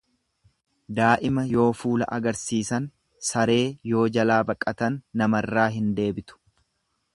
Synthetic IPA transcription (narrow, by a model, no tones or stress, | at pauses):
d̪aːʔɪmɐjo̞ːfuːlɐ̰ʔɐɡɐɾsiːsɐn | sɐɾe̞ːjo̞ːd͡ʒɐlaːbɐkʼːɐt̪ɐnːɐmɐrːaːɦɪnd̪e̞ːbɪt̪ʊ̥